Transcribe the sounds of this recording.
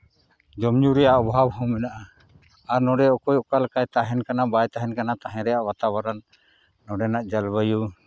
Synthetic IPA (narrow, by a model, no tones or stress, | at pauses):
d͡ʒɔmɲuɾɛjaʔɔbʱabhɔ̃mɛnaʔa | aɾnɔɖɛɔkɔjɔkalkajt̪aɦɛnkanabajt̪aɦɛnkanat̪aɦɛ̃ɾɛjaʔwat̪awaɾanː | ɔɖɛnaʔd͡ʒalbəju